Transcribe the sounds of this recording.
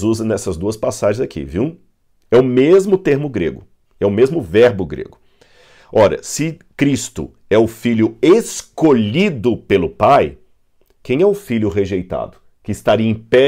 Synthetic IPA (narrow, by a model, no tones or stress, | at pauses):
zuzɐnɛsɐzd̪uɐspasaʒẽzakʰḭviw | ɛʊmezmʊt̪eɾmʊɡɾḛɡʊ | ɛʊmezmʊvɛɾbʊɡɾḛɡʊ | ɔɾɐ̰sɪkɾist̪ʊ̰ | ɛʊfiʎʊeskoʎid̪ʊpelʊpaj | kẽj̃ɛʊfiʎʊɦeʒejt̪a̰d̪ʊ | kɪɪst̪aɾiẽj̃pɛ